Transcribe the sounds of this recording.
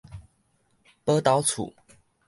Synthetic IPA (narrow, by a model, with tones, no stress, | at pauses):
pə˦t̪ɑ˨˧˦ʊt͡sʰṵ˨˩˦